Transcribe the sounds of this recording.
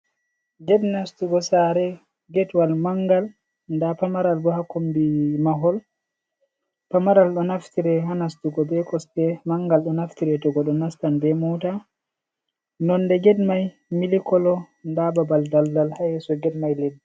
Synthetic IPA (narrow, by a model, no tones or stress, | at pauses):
ɡɛdnastuɡɔsaɾɛ | ɡɛtwalmaŋɡal | ndapamaɾalɗɔhakombimaɦɔl | pamaɾalɗɔnaftiɾɛɦanastuɡɔbɛkɔstɛmaŋɡalɗɔnaftiɾɛtɔɡɔɗɔnastanbɛmuta | nɔndɛɡɛdmaj | milikɔlɔ | ndababaldaldalhajɛsɔɡɛdmajledːɛ